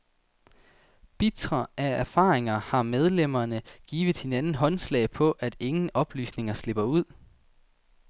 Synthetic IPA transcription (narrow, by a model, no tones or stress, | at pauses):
b̥it͡sʁɐʔææɐfɑ̰̈ːʁeŋɐhɑ̈með̞ˠlem̰ɐnəɡ̥ḭːʋð̩ˠhe̝nænn̩ɦɒ̽nslɛ̰ɪpʰɒ̽ʔæd̥e̝ŋn̩ɒ̽b̥ly̰ːsne̝ŋɐsle̝b̥ɐuð̞̰ˠ